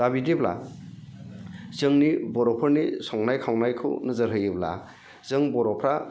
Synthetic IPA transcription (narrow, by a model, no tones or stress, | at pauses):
abidibla̰ | zɯŋnibɔɾɔpʰɯɾnisɔŋnajkʰawnajkʰɯ̰nɯzɯɾɦɯjɯbla̰ | zɯŋbɔɾɔpʰɾa